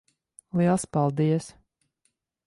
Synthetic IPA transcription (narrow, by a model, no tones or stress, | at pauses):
liɛlˠspɑlˠd̪ijəs